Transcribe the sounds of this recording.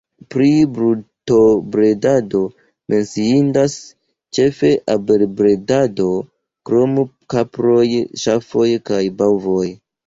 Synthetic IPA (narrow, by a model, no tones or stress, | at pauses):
pɾibɾuto̞bɾe̞dado̞ | mʔe̞nsiindas | t͡ʃe̞fe̞ʔabeɾbɾe̞dado̞ | kɾo̞m | kapɾo̞jʃafo̞jkajbawvo̞j